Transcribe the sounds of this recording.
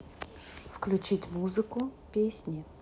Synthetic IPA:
fklʲut͡ɕitʲmuzɨkʊpʲesʲnʲɪ

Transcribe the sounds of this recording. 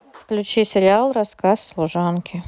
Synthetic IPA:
fklʲʊt͡ɕisʲɪɾʲɪalˠrɐskasːlˠʊʐankʲʰɪ

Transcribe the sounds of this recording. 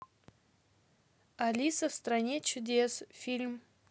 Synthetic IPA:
alʲisɐfst̪ranʲet͡ʃʊd̪ʲesfʲilʲm

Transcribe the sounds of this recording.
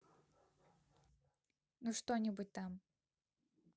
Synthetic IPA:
nuʂt̪onʲɪbut̚ʲt̪am

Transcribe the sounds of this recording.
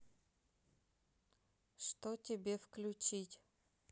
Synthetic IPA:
ʂt̪otʲɪbʲefklʲʊt͡ɕitʲ

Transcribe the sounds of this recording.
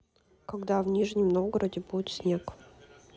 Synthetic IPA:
kɐɡd̪avnʲiʐnʲəmnoɡəɾədʲɪbuɪt̪sʲnʲek

